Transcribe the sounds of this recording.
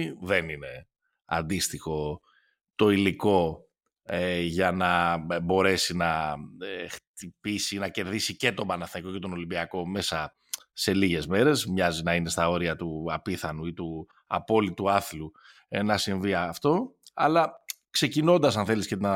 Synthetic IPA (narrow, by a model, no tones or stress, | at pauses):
ðe̞nine̞ | ɐ̰nd̪ist̪ixo̞ | t̪o̞iliko̞ | eʝɐnɐbo̞ɾe̞sinɐext̪ipisinɐce̞ɾðisice̞t̪o̞bɐnɐθniko̞cet̪o̞no̞limbiɐko̞me̞sɐ | se̞liʝe̞zme̞ɾe̞zmɲɐzinɐine̞st̪ɐo̞ɾiɐt̪uɐpiθɐnuit̪u | ɐ̰po̞lit̪uɐθlu | enɐsiɱviɐft̪o̞ɐ̰lɐ | kse̞cino̞nd̪ɐs̬ɐnθe̞lisce̞t̪inɐ